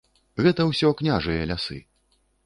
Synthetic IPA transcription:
ɣɛt̪ɐwsʲɔknʲaʐɨjɐlʲasɨ̰

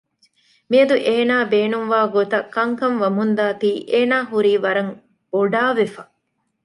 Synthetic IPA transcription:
miɐd̪uʔeːnaːbeːnumʋaːɡot̪ɐkːɐŋkɐmʋɐmund̪aːt̪iːʔeːnaːɦuɾiːʋɐɾɐŋ | boɖaːʋefɐ

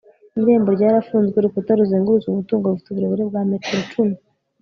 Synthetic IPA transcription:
ɾe̞ːmbo̞ɾɟaːɾafuːnzɡweɾukutaɾuzeːŋɡuɾuzumutuːŋɡouvutuβiɾeβuɾebɡwaːme̞te̞ɾo̞t͡ʃunu

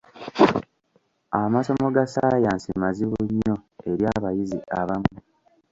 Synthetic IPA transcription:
amaso̞mo̞ɡasaːjaːnsimaziβuɲːo̞e̞ɾjaːβajiziʔaβamu

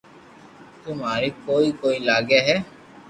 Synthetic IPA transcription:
t̪ʊmɦaːɾikoːiːkoːiːlaːɡeːɦɛː

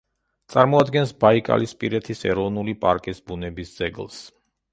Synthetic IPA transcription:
t̪sʼaɾmɔad̪ɡɛnsbaikʼa̰lispʼiɾɛt̪ʰisɛɾɔvnulipʼaɾkʼisbunɛbisd̪z̥ɛɡlˠs

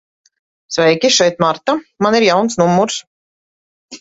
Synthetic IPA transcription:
svɛjkʲiʃɛjt̪maɾt̪amaniɾjawnsnumːuɾs

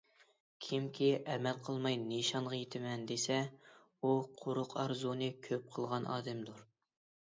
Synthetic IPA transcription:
kʲʰimkʲʰiʔɛmɛlqʰəlˠmɑjneʃɑnʁɑjet̪ʰɪmɛnd̪esɛ | uqʰʊɾʊqʰɑɾzunɨkʲʰøp̚qʰəlˠʁɑnʔɑ̰ːd̪ɛmd̪uɾ

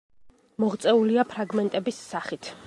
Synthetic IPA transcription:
mɔʁt̪sʼɛuliapʰɾaɡmɛnt̪ʼɛbisːaχit̪ʰ

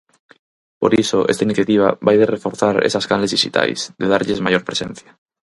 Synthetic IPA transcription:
poɾisoʔḛst̪ainiθjat̪iβ̞aβajðerefoɾθaɾḛsaskanlezðiʃit̪a̰jsðeðaɾʎezmajoɾpɾesḛn̟θja

